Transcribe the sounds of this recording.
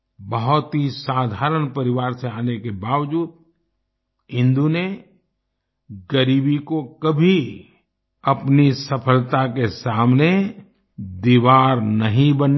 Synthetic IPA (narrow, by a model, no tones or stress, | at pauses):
bəɦʊt̪ɦisaːd̪ʱaːɾənpɐɾɪʋaːɾseaːnekebaːʋd͡ʒuːd̪̚ | ɦɪ̃nd̪une | ɡəɾiːbikokɐbʱi | ɐpnisɐpʰəlt̪akesaːmne | d̪iːʋaːɾnɐɦĩbən